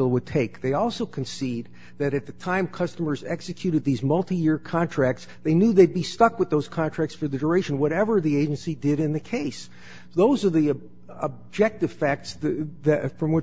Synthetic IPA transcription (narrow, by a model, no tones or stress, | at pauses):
l̩ˠwəd̚tʰeɪk̚ðeɪɔlˠsoʊkʰɨ̃nsid̪̚ | ðɨɾɨt̪̚ðɨtʰãɪ̃mkʰʌstəmə˞zɛksɨkʰj̥ʉɾɨd̪̚ðizmʌlˠtijɪɹkʰɑ̃ntʰɹ̥æk̚tsðeɪnjʉðeɪd̚bistʌkwəðoʊz̥kʰɑ̃ntʰɹ̥æk̚tsfə˞ðɨdə˞eɪʃɨ̃nwʌɾɛvə˞ðieɪd͡ʒɨ̃nsidɪɾɨ̃nðɨkʰeɪs | ðoʊzə˞ðiɨ | əb̚d͡ʒɛk̚tɨv̥fæk̚tsðɨfɹʌ̃mwɨ